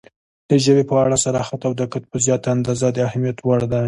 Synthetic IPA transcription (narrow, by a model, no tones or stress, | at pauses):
d̪̥əʒəbepəaɽasaɾɑxat̪awd̪akat̪̚pəzjɑt̪aand̪ɑzad̪əahamijat̪waɽd̪a